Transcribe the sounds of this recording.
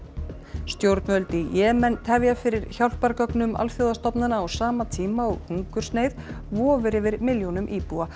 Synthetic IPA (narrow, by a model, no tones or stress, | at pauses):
st̪jowɾt̪nvœlt̪ɪjɛːmɛnt̪hɛvjafɪɾɪɾçawl̥paɾkœknʏma̰lfjowðast̪ɔpnanaːwsaːmat̪ʰiːmaɔɣuŋkʏɾ̥sneːjð | vɔːvɪɾɪvɪɾmɪljownʏmʔiːpua